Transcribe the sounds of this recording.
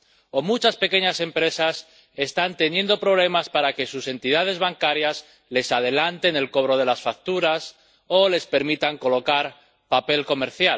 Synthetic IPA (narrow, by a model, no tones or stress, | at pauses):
o̞mut͡ʃaspe̞ke̞ɲase̞mpɾe̞sas | e̞st̪ant̪e̞nje̞nd̪o̞pɾo̞β̞le̞maspaɾake̞suse̞nt̪iðað̞e̞zβaŋkaɾjas | le̞sað̞e̞lant̪e̞ne̞lko̞β̞ɾo̞ðe̞lasfak̚t̪uɾas | o̞le̞spe̞ɾmit̪aŋko̞lo̞kaɾ | pape̞lko̞me̞ɾθjal